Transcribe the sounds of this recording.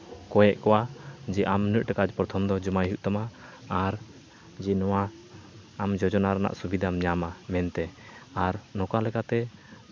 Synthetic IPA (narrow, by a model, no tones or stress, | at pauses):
kɔjɛʔkɔwad͡ʒɛʔamnəʔʈakad͡ʒpɾɔt̪ʰɔmd̪ɔd͡ʒɔmajɦuʔt̪amaː | ɾ | d͡ʒɛnɔwaː | md͡ʒɔd͡ʒɔnaɾana̰ʔsubid̪ʱamɲamamɛnt̪ɛaɾnɔkalɛkat̪ɛ